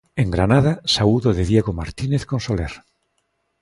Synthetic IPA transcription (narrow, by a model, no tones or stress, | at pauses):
eŋɡɾanað̞asauðoðeðjeɣomaɾt̪ineθkonsoleɾ